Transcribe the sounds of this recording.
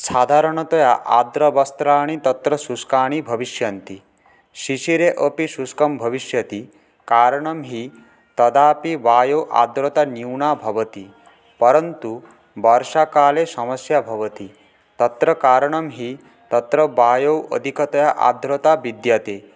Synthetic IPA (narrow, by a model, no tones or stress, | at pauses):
sad̪ʱaɾɔɽ̃ɔt̪ɔjaʔa̰d̪ɾɔbɔst̪ɾaːɽ̃it̪ɔt̪ɾɔsuskaːɽ̃ibʱʌbiʃjɐnt̪i | ʃiʃiɾeʔəpisuskɔmbʱʌbiʃjɐt̪i | kaːɾɔɽ̃ɔmɦi | t̪ɔd̪aːpibaːjowʔa̰d̪ɾɔt̪aniwɳabʱɔbɔt̪i | pɔɾɔnt̪u | bɔɾʃakaːlesɔmʌsjabʱɔbɔt̪i | t̪ɔt̪ɾɔkaːɾɔɽ̃ɔmɦi | t̪ɔt̪ɾɔbaːjowʔə̰d̪ʱikɔt̪ɔjaʔa̰d̪ɾɔt̪abid̪jɐt̪e